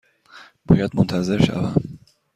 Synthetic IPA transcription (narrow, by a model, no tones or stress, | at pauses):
b̥ɒ̰ːjæd̪̚mont̪ʰæze̞ɾʃæ̰væm